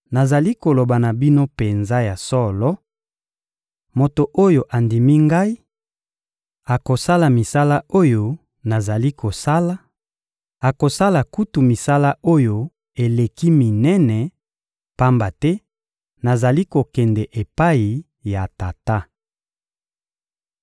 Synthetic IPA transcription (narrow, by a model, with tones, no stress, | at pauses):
na˨za˨li˦ko˨lo˨ba˨na˨bi˦no˦pe˨nza˦ja˨sɔ˦lɔ˦ | mo˨to˨ʔo˦jo˨ʔa˨ndi˨mi˦ŋɡa˦i˦ | a˨ko˨sa˦la˨mi˨sa˦la˦o˦jo˦ | na˨za˨li˦kʰo˨sa˦la˦ | a˨ko˨sa˦la˨ku˦tu˨mi˨sa˦la˦o˦jo˦ | e˨le˨ki˦mi˨nɛ˦nɛ˨ | pa˦mba˨tɛ˦ | na˨za˨li˦ko˨kɛ˨ndɛ˨ʔe˨pa˦i˨ | ja˨ta˨ta˦